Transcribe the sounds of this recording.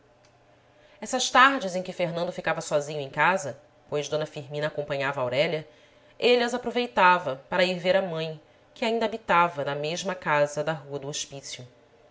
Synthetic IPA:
ɛsɐʃt̪aɾd͡ʒɪzẽj̃kɪfeɾnɐ̃nd̪ʊfikavɐsɔzĩɲʊẽj̃kazɐ | pojʒd̪õnɐfiɾmĩnɐaːkõmpɐ̃ɲavɐawɾɛʎɐ | elɐzapɾovejt̪avɐpaɾɐiɾveɾɐmɐ̃j̃ | kɪaĩnd̪ɐabit̪avɐnɐmeʒmɐkazɐd̪ɐɦuɐd̪ʊoʃpisjʊ

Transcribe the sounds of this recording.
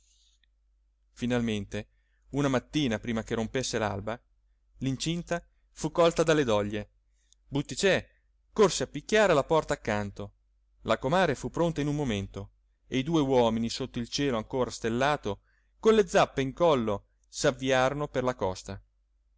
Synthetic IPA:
finalment̪e | unamat̪ːiːnapɾiːmak̟eɾompesːela̰lba | lint͡ʃint̪a | fukːɔlt̪ad̪alːed̪ɔʎːe | but̪ːit͡ʃɛ | korseapːikʲːaːɾelapɔrt̪aːkːant̪o | lakomaːɾefupːɾont̪ainumːoment̪o | eid̪uːewɔːminisot̪ːoilt͡ʃɛːloaŋkoːɾast̪elːaːt̪o | konled̪zːapːeiŋkɔlːo | savːiaːɾonoperlakɔst̪a

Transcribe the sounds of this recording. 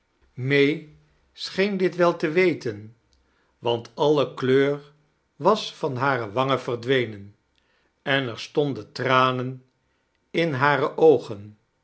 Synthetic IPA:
mej | sχejndɪtʋɛlˠtəʋejtən | ʋɑntʰɑləkløːr | ʋɑsfɑnɦaːrəʋɑŋəv̥ərdʋejnən | ɛnɛɹstɔndəntraːnən | ɪnɦaːrəʔowχən

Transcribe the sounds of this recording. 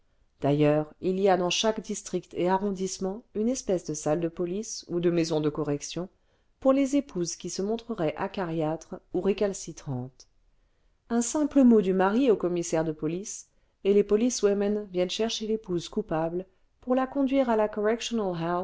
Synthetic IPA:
d̪̥ajœʁilijad̪ɑ̃ʃakd̪ist̪χikt̪ʰeaʁɔ̃d̪ismɑ̃ynɛspɛsd̪əsald̪əpɔlisud̪əmezɔ̃d̪əkɔʁɛksjɔ̃ | puʁlezepʰuzkʲisəmɔ̃t̪χəʁɛʔa̰kaʁjat̪χuʁekalsit̪χɑ̃t̪ | ɛ̃sɛ̃pləmod̪ymaʁiokɔmisɛʁd̪əpɔlis | elepɔliswɛmɛnvjɛnʃɛʁʃelepuzkupabl | puʁlakɔ̃d̪ɥiʁalakɔʁɛkʃɔnalɦɛ

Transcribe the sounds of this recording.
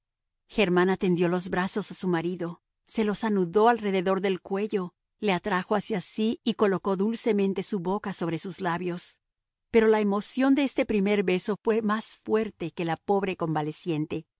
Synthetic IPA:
xe̞ɾmãnat̪e̞nd̪jo̞lo̞zbɾaso̞sasumaɾiðo̞ | se̞lo̞sanuðo̞alre̞ðe̞ðo̞ɾðe̞lkwe̞ʝo̞ | le̞at̪ɾaxo̞asjasiːko̞lo̞ko̞ðulse̞mẽ̞nt̪e̞suβo̞kaso̞β̞ɾe̞suzlaβjo̞s | pe̞ɾo̞laemo̞sjo̞nd̪eest̪e̞pɾime̞ɾβe̞so̞fwe̞masfwe̞ɾt̪e̞ke̞lapo̞βɾe̞ko̞mbale̞sje̞nt̪e̞

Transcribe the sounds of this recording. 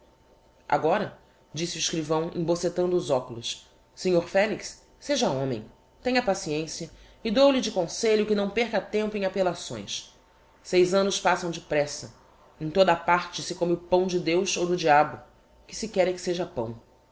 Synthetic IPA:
ʔa̰ɡɔɾɐ | d͡ʒisɪuɪʃkɾivɐ̃w̃ḛ̃boset̪ɐ̃nd̪ʊːzɔkʊlʊsː | eɲoɾfɛliks | seʒɐõmẽj̃ | t̪ẽɲ̃ɐpasiẽsiɐ | ɪd̪owlɪd͡ʒɪkõseʎʊkɪnɐ̃w̃peɾkɐt̪ẽmpʊẽapelasõ̰j̃s | sejzɐ̃nʊspasɐ̃w̃d͡ʒɪpɾɛsɐ | ẽj̃t̪od̪ɐapaɾt͡ʃɪsɪkõmɪʊpɐ̃w̃d͡ʒɪd̪ewzowd̪ʊd͡ʒiabʊ | kɪ̥sɪkɛɾɛkɪ̥seʒɐpɐ̰̃w̃

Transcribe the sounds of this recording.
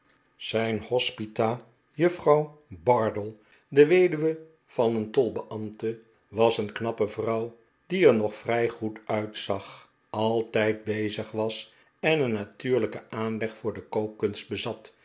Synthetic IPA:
z̥ɛjnhɔspitaː | jɵfrɑwbɑɹdəlˠ | dəʋejdyʋə | v̥ɑnəntɔlˠbəʔɑmtə | ʋɑsənknɑpəvrʌw | diɛɹnɔχfrɛjχutœɥtsɑχ | ʔɑlˠtɛjt̚bejzəχʋɑs | ɛnənːatyːɹləkəʔaːnlɛχfʊːɹdəkowkːɵnst̚bəzɑt

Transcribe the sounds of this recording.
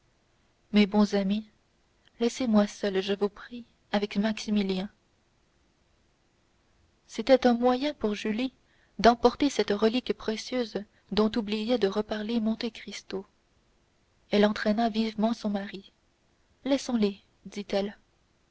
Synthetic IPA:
mebɔ̃zami | lɛsemwasœlʒəvupχi | avɛkmaksimiljɛ̃ | set̪ɛt̪ɛ̃mwajɛ̃puʁʒyli | d̪ɑ̃pɔʁt̪esɛt̪ʁəlikpχesjøːz | d̪ɔ̃t̪ublijɛd̪əʁəpaʁlemɔ̃t̪ekχist̪o | ɛlɑ̃t̪χɛnavivmɑ̃sɔ̃maʁi | lɛsɔ̃le | d̪it̪ɛl

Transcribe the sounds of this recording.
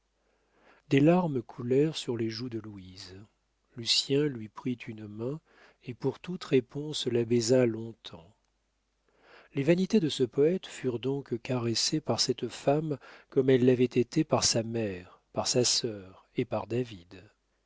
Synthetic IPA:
d̪elaʁmkʰulɛʁsyʁleʒud̪əluiz | lysjɛ̃lɥipχit̪ʰynmɛ̃ | epuʁt̪ut̪ʁepʰɔ̃slabɛzalɔ̃t̪ʰɑ̃ | levanit̪ed̪əsəpɔɛt̪fyʁd̪ɔ̃kkaʁesepaʁsɛt̪famkɔmɛlːavɛt̪et̪epaʁsamɛʁ | paʁsasœʁepaʁd̪avid̪

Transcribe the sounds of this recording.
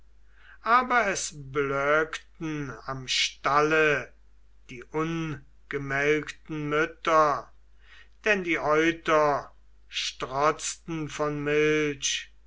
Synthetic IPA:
ʔaːbɐɛsblœːktn̩amʃtalə | d̥iːʔʊn | ɡ̥əmɛlktn̩mʏtɐ | d̥ɛndiːʔɔʏtɐ | ʃtʁɔt͡stn̩fɔnmɪlʃ

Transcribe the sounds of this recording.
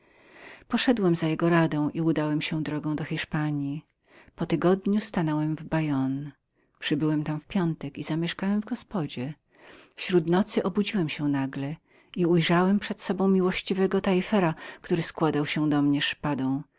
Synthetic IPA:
pɔʂɛd̪wɛmzajɛɡɔɾad̪ɔ̃w̃ʔiud̪awɛmɕɛ̃d̪ɾɔɡɔ̃w̃d̪ɔxʲiʂpaɲji | pɔt̪ɘɡɔd̪ɲust̪anɔwɛmvbajɔn | pʂɘbɘwɛmt̪amfpʲjɔnt̪ɛkizamʲjɛʂkawɛmvɡɔspɔd͡ʑɛ | fɕɾut̪nɔt̪sɘʔɔbud͡ʑiwɛmɕɛnaɡlɛ | iujʐawɛmpʂɛt̪sɔbɔ̃w̃mʲiwɔɕt͡ɕivɛɡɔt̪aifɛɾakt̪uɾɘskwad̪awɕɛd̪ɔmɲɛʂpad̪ɔ̃w̃

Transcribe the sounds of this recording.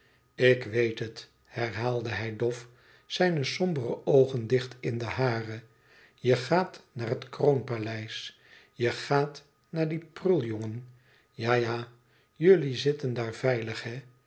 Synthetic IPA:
ɪkʋejtɦət | hɛɹɦaːlˠdəɦɛjdɔf | sɛjnəsɔmbərə̰ʔowχəndɪχtɪndəɦaːrə | jəχaːtnaːɹɦətkronpalɛjs | jəχaːt | naːɹdiprɵlˠjɔŋən | jaːjaː | jɵlizɪtəndaːɹv̥ɛjləχhɛ

